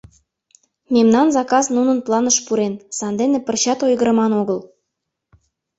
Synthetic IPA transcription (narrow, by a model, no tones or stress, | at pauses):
memnɑnzɑkɑznunənplˠɑnəʃpuɾensɑnd̪enĕpə̆rɕɑt̪ojɣə̆ɾɤ̆mɑnoɣəl